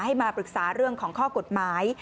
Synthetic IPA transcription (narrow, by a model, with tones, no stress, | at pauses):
ha˥˩jmaː˧pɾɯ˨˩k̚saː˩˦ɾɯ˥˩əŋkʰɔː˩˦ŋkʰɔː˥˩ko˨˩t̪̚maː˩˦j